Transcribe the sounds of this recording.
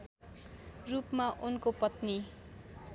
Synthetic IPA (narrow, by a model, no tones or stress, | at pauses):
rupmaʔunkopʌt̪ni